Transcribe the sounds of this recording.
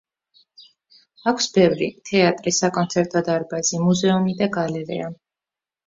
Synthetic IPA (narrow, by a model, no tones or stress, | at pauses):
akʰsbɛvɾḭt̪ʰɛat̪ʼɾisakʼɔnt̪sʰɛɾt̪ʼɔd̪aɾbazimuzɛumid̪aɡalɛɾɛ̰a